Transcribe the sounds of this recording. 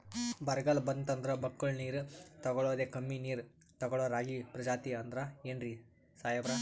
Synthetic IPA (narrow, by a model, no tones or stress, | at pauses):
bɐɾɡɐlbɐnt̪ɐnd̪ɾɐbɐkːɐɭniːɾt̪ɐɡɔɭoːd̪ekɐmːiniːɾ | t̪ɐɡɔɭoːɾaːɡipɾɐd͡ʒaːt̪iɐnd̪ɾɐeɳɾi | saːjɐbɾɐ